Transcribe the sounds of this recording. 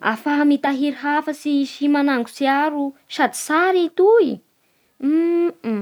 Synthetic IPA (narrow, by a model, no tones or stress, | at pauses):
a̰faɦmit̪aɦiɾɦafəsiʃimanaŋɡu̥siaɾusad̪i̥saɾit̪ui